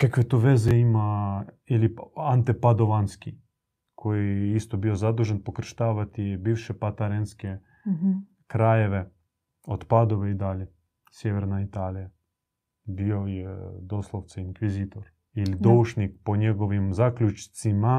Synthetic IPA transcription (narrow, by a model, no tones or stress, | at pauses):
kakʋet̪oʋezɛima | iliant̪epad̪oʋanski | kʰojiist̪obiozad̪uʒenpokr̩ʃt̪aːʋat̪ibiːʋʃɛpat̪aɾenske | kɾajeʋe | ot̪pad̪oʋeid̪aːlʲje | sjeʋɛɾnait̪aːlija | biojɛd̪oslˠowt̪saiŋkʋiziːt̪oɾ | ilid̪ouʃnik̚poɲeɡoʋimzaklʲut͡ʃt̪sima